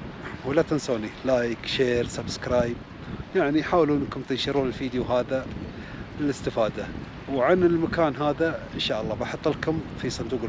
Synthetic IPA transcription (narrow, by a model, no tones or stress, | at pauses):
wɪlat̪ɪnsoːnilaːjkʃeːɾsabskɾaːjb̚ | jaʕniħaːwluːɪnːkʊmt̪ɪnʃɪɾuːnɪlfiːd̪juɦaːða | lɪlɪst̪ɪfaːd̪a | wʕanɪlmakaːnɦaːðaʔɪnʃaːʔɑlˤːɑːbɑħɑt̪ˤːɪlkʊmfisˤɑnd̪uːq